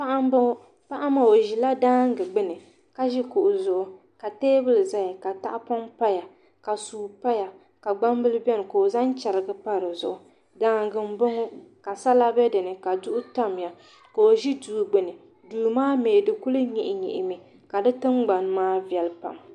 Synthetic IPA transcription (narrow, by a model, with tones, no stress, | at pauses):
pa˦ʔa˦m˦bʊ˦ | pa˦ʔa˦ma˨o˨ʒi˨la˦daː˦ŋ˦ɡɨ˨ɡ͡bɨ˦nɨ˨ | ka˦ʒi˦kʊ˨ʔʊ˨zʊ˨ʔʊ˦ | ka˨teː˦bɨ˦lɨ˨za˦ja˨ka˨ta˦ʔpɔ˦mpa˦ja˨ | ka˨suː˨pa˦ja˨ | ka˨ɡ͡ba˦m˦bɨ˦lɨ˦bɛ˦nɨ˨ko˨o˨za˦nt͡ʃɛ˨ɾɨ˨ɡɨ˦pa˦ɾɨ˨zʊ˨ʔʊ˨ | daː˦ŋɡɨ˨m̩˦bʊ˦ŋo˦ka˨sa˦la˦bɛ˦dɨ˨nɨ˨ka˨dʊ˦ʔʊ˦ta˦˨m˨ja˨ | ko˨o˨ʒi˦duː˨ɡ͡bɨ˨nɨ˨ | duː˨maː˦meː˨dɨ˨ku˦lɨ˦ɲɛ˨ʔɪ˨ɲɛ̰˨ʔɪ˨mi˨ | ka˨dɨ˦tɨ˦ŋɡ͡ba˨n˦maː˦vi˨ɛ˨lpa̰˨m